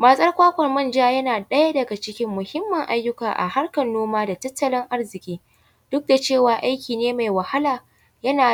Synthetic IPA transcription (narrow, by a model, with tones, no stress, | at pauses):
maː˨sʼɐ˦rkʷaː˦kʷɐ˨rmɐ˦nd͡ʒaː˦jɐ˦naː˨ɗɐ˦ja˦dɐ˨ɡa˨t͡ʃɪ˦kʲɪ˦mːʊ˨hɪ˦mːɐ˨ŋʔa˦jːʊ˦kaː˨ʔa̰˨ha˦rkɐ˨nːoː˦maː˦da˨tɐ˦tːɐ˨lɪ˦ŋʔa˦rzɪ˨kʲʼiː˦ | d̥ʊ˦k̚da˨t͡ʃeː˦˨waː˨ʔa˦jkʲiː˨neː˦ma˨jwɐ˨ha˦laː˨ | jɐ˦naː˨